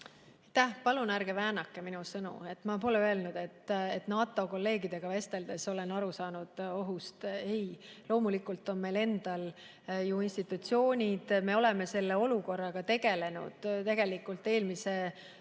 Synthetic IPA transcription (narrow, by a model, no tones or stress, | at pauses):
ɑjt̪ːæhpɑlunæɾɡ̥e̞væːnɑkːˑeminusɤnṵe̞t̪ːˑmɑpo̞leøelnud̪̥e̞t̪ːet̪nɑːt̪ːˑo̞ko̞lːe̞ːɡid̪̥e̞ɡ̥ɑve̞st̪e̞ld̪̥e̞so̞le̞nɑɾusɑːnud̪̥o̞ɦust̪e̞jlo̞ːmulikːˑult̪ːˑo̞nme̞le̞nd̪̥ɑl | juinst̪it̪ːˑut̪sio̞ːnʲid̪̥me̞o̞lɛme̞se̞lːe̞o̞luko̞rːɑɡ̥ɑt̪e̞ɡ̥e̞le̞nṵd̪̥t̪e̞ɡ̥e̞likːˑult̪ːˑe̞ːlmise̞